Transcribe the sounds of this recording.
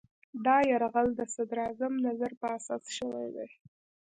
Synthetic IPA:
d̪ɑjaɾɣald̪əsad̪ɾɑzamnazaɾpəasɑsʃəwa̰jd̪ḛj

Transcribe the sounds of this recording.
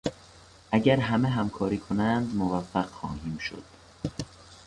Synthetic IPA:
ʔæɟæɾɦæmeɦæmkʰɒːɾiːkʰonænd̪movæfːæɢxɒ̰ːhiːmʃo̰d̪̥

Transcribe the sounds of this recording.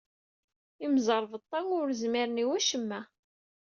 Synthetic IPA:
imzˤəɾˤvət̪ˤːɑŋʊɾzmiɾniwæʃəmːæ

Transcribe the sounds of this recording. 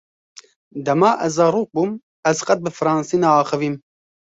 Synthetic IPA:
d̪ɛmɑːʔɛzzɑɾuːk̚bum | ɛzqɐt̪̚bɨfɨɾɑːnsiːnaɑːxɨviːm

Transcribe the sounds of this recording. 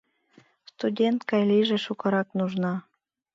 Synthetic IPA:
st̪udʲent̪kɑjliʒeʃukɤ̆ɾɑknuʒnɑ

